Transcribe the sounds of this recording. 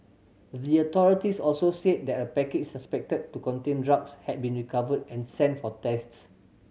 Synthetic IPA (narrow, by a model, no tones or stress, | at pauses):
diətɔɹitisɔlsosed̚dɛtəpɛket͡ʃsaspɛk̚təd̚tukɔ̃ntẽndɹakshɛt̚bĩnɹikavədɛ̃nsɛ̃ntfɔtɛsts